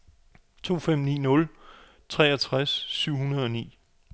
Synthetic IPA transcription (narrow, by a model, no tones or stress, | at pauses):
t͡sʰo̝̰ːfem̰nḭːnɔ̽l | t͡sʰʁɛːɐt͡sʰʁasːyʊ̰ɦunɐð̞ˠɒ̽nḭː